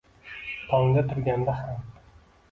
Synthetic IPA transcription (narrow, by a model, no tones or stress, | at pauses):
t̪ʰɒŋd̪at̪ʰʊɾɡʲand̪aham